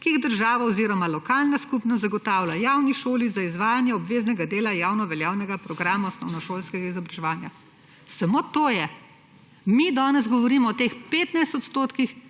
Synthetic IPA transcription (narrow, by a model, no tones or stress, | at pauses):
kiiɣd̪əɾʒaːʋaɔziɾɔmalɔkaːlnaskupnɔszaɡɔt̪aːwlajaːwniʃoːlizaizʋaːjanjɛɔbʋeːznɛɡad̪eːlajaːwnɔʋɛljaːwnɛɡapɾɔɡɾaːmaɔsnɔwnɔʃoːlskɛɡaizɔbɾaʒɛʋaːnja | samoːt̪oːjɛ | mid̪ɔːnɛzɡɔʋɔɾiːmɔɔt̪eːxpeːt̪najst̪ɔt̪st̪oːt̪kix